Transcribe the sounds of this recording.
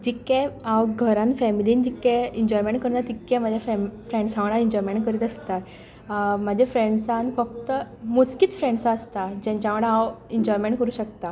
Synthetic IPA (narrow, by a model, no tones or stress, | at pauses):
d͡ʑikɛ̃awɡʱəɾãnfɛmiliːnd͡ʑikɛ̃iɲd͡ʑɔjmẽɳʈ̚kəɾnat̪ikːɛ̃mad͡ʑʱjafɛfɾẽɳɖsãʋɽ̃aiɲd͡ʑɔjmẽɳʈkəɾiːt̪əst̪at̪ | mad͡ʑʱefɾẽɳɖsãnfəkt̪əmuskit̪fɾẽɳɖsaːst̪ad͡ʑɛ̃ɲt͡ɕãʋəɽawiɲd͡ʑɔjmẽɳʈkəɾuːɕək̚t̪a